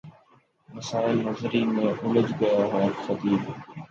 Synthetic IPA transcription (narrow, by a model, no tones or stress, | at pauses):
məsaːɪlnɐzɾimẽːʔʊləd͡ʒɡɐjaɦaːxɐt̪iːl